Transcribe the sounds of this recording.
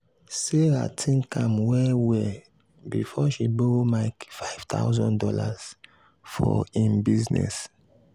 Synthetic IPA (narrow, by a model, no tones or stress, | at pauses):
seɾa̰tʰĩnkʰãmwɛwɛ | bifɔʃibomaɪkfaɪv̥t̪ʰa̰ʊzɔ̃ndɔlaz̥ | fɔĩnbiznɛ̰s